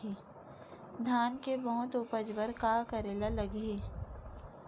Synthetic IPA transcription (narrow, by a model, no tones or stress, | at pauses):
i | d̪ʱaːnkebəɦʊt̪ʊpəd͡ʒwəɾkaːkəɾeːlaləɡeː